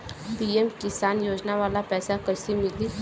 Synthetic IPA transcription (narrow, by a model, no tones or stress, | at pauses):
piemkɪsaːnjoːd͡ʒnaʋaːlapɛːsakəsimɪli